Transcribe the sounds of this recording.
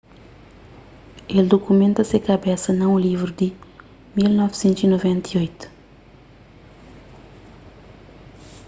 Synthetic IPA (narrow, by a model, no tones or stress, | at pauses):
eld̪okumẽnt̪ɐsekɐbɛsɐnɐ̃ũlivɾud̪i | milnɔvsẽnt̪zinovɛ̃nt̪iojt̪u̥